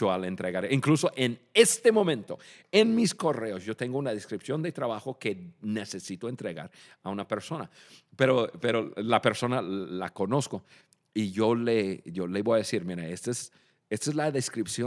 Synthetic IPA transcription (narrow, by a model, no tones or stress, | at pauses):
oalent̪ɾeɣaɾiŋklusoʔene̞st̪emo̞mẽnt̪oenmisko̞re̞osjot̪eŋɡounaðeskɾipsjo̞nd̪et̪ɾaβaxokenese̞sit̪oent̪ɾeɣa̰ɾaunape̞ɾso̞na̰ | peɾopeɾolapeɾso̞nalla̰ko̞no̞sko | iʝolejoleβojaðesiɾmiɾaest̪es | est̪ezlaðeskɾipsjo